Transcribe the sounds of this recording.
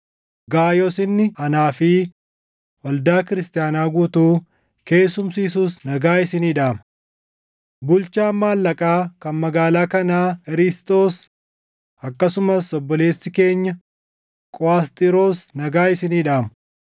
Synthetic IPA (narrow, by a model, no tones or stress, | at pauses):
ɡaːjɔsɪnːɪɐnaːfɪ | wɐld̪aːkɪɾɪst̪ʼɪjaːnaːɡuːt̪uː | ke̞ːsːʊmsiːsuːsnɐɡaːɪsɪniːᶑaːmɐ | bʊlt͡ʃaːmːaːlːɐkʼaːkɐnmɐɡaːlaːkɐnaːɪɾɪst̪ʼo̞ːs | ɐkːɐsʊmɐsɔbːɔle̞ːsːɪke̞ːɲːɐ | kʼɔaːst̪ʼɪɾoːsnɐɡaːɪsɪniːᶑaːmɐ̥